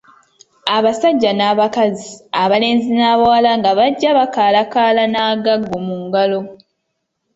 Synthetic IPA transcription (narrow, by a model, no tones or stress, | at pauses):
aβasaɟːanaːβakaziaβale̞ːnzinaːβawalaŋɡaβaɟːaβakaːlakaːlanaːɡaɡːomuːŋɡalo̞